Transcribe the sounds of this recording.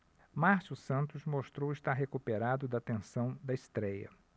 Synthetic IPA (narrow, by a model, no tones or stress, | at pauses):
maɾsusɐ̃nt̪ʊzmoʃt̪ɾowɪst̪aɾɦekupeɾad̪ʊd̪ɐt̪ẽsɐ̃w̃d̪ɐɪst̪ɾɛjɐ̰